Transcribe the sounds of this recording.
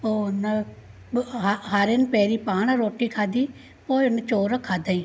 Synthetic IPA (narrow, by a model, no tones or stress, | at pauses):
oːn | ɦɦaɾɪnpɛːɾiːpaːɽaɾoːʈːiːkʰaːd̪iː | poːiʊnt͡ʃoːɾakʰaːd̪aːĩː